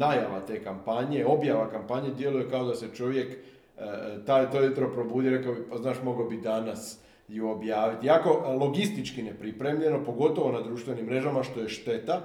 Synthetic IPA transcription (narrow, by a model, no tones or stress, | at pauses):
najaʋat̪e̞ːkampaɲe̞o̞bjaʋakampaɲed̪je̞luje̞kao̞d̪ase̞t͡ʃo̞ʋje̞k | t̪ajt̪ojut̪ɾo̞pɾo̞buːd̪iɾe̞kaoipaznaːʃmo̞ɡobid̪anas | joobjaːʋit̪ijako̞lˠo̞ɡist̪it͡ʃkine̞pɾipɾe̞mʎe̞no̞po̞ɡo̞t̪o̞ʋo̞nad̪ɾuːʃt̪ʋe̞nimːɾe̞ʒamaʃt̪o̞je̞ʃt̪e̞t̪a